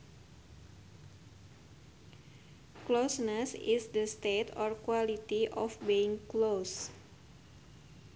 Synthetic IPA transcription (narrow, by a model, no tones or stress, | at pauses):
klosnəsisd̪əst̪et̪ɔrkwalit̪iʔɔfbiiŋklos